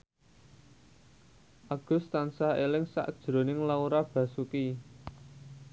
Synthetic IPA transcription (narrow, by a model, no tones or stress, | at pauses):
ʔaɡ̥ʊ̤st̪ansahelɪŋsa̰ʔd̥ʒ̥ɾo̤nɪŋlauɾab̥ä̤suki